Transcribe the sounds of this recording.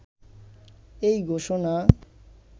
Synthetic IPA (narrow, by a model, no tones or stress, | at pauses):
ejɡʱoʃona